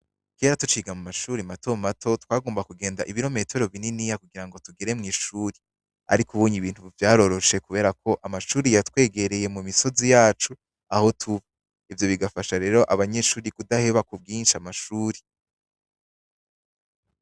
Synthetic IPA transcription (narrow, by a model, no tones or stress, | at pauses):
ke̞ːɾatut͡ʃiːɡamumaʃuːɾimato̞matʰo̞twaːɡo̞ːmbakuɡe̞ːndaʔiβiɾo̞me̞toɾoβininijakuɡiɾaŋɡo̞tuɡeɾe̞mŋiːʃuːɾi | a̰ɾikuβuːɲiβiːn̥huvjaːɾo̞ɾo̞ʃe̞kuβe̞ːɾakʰo̞ʔamaʃuːɾijatwe̞ːɡe̞ɾe̞je̞mumiso̞zijaːt͡ʃu | aho̞tʰuβa | ivjo̞βiɡafaʃaɾe̞ːɾo̞ʔaβaɲe̞ːʃuːɾikudaheβakub̚ɡiːnʃiamaʃuːɾi